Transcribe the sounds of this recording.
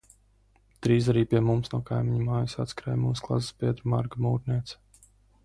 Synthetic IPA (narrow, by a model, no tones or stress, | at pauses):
d̪̥ɾiːzaɾiːpʲiɛmumsnuɔkajmʲiɲmaːjɨsa̰t̪skɾɛ̰ːjmṵːsklˠa̰zspʲiɛd̪ɾma̰ɾɡəmuːɾnʲiɛt̪s